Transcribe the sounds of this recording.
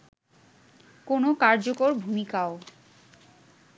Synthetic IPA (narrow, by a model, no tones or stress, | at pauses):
konokaɾd͡ʑokoɾbʱumikao